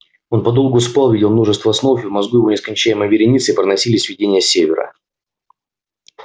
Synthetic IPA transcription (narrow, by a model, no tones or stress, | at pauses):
o̞npɐd̪o̞lˠɡʊspalˠvʲidʲɪlˠmno̞ʐɨst̪vəsnofɨvmɐzɡujɪvo̞nʲɪskɐnʲt͡ɕæjɪməvʲɪɾʲɪnʲit̪sɨipɾənɐsʲilʲɪsʲvʲɪdʲenʲɪjəsʲevʲɪɾə̰